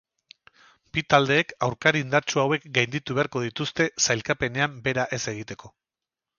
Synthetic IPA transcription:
bit̪ald̪e̞ːkawɾkaɾind̪aɾt͡ʃuawe̞kɡajnd̪it̪uβe̞aɾko̞ðit̪ust̪e̞sajlkape̞ne̞ambe̞ɾaʔe̞se̞ɣ̞it̪e̞ko̞

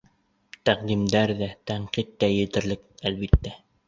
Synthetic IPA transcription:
t̪æqd̪imd̪æɾðæt̪æɴqit̪ːæjɘ̆t̪ɘ̆ɾlɘk̚ælβit̪ːæ

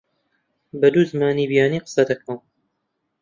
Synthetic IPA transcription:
bɐd̪uːzɨmaːniːbijaːniːqə̥sɐd̪ɐk̚an

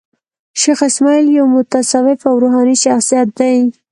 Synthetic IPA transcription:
ʃexɪsmɑjljawmʊt̪asɑwɪfawɾoɦɑniʃaxsijat̪̚d̪aj

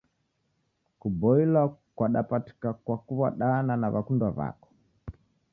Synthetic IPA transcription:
kubɔilakwaɗapati̥kakwakuβaɗananaβakundwaβa̰kɔ̥

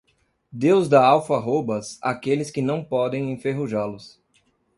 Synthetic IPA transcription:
d̪ewzd̪aawfɐɦobɐsa̰kelɪskɪnɐ̃w̃pɔd̪ẽj̃ẽfeɦuʒalʊs

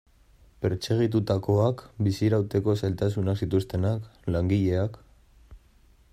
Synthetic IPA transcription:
pe̞ɾt͡se̞ɣ̞it̪̬ut̪ako̞akbisiɾawt̪e̞ko̞sajlt̪asunaksit̪ust̪e̞naklaŋɡiʎe̞ak

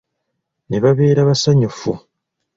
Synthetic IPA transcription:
neβaβe̞ːɾaβasaɲufṵ

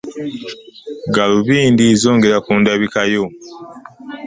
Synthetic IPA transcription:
ɡaluβiːndizo̞ːŋɡeɾakuːndaβikajo

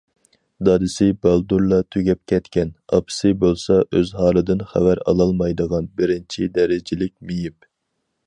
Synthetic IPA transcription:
d̪ɑd̪ɨsɪbɑlˠd̪uɾlˠɑt̪ʰøɡʲɛp̚kʲʰɛt̪kʲɛnɑ̰pʰsɪbolˠsɑʔøzɦɑːlˠɨd̪ɪnχæ̰væɾɑ̰lˠɑlˠmɑjd̪əʁɑnbɪɾɪnt͡ʃʰid̪ɛɾɪd͡ʒɪlɪk̚ʲmijip̚

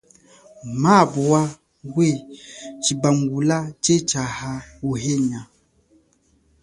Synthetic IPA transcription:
maːbua | ɡwet͡ʃibaŋɡulat͡ʃet͡ʃahawuɦeɲa

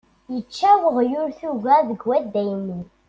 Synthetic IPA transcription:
jət͡ʃːæwəʁjʊɾθuɣæðəɡwæd̪æjni

